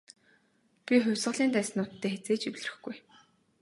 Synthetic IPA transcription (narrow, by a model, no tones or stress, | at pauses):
pʲiχʊwʲsʁə̆ɮiːnt̪æːsnʊːt̪ʰːeːxet͡seːt͡ɕiwʲɮrɘ̆xɡuj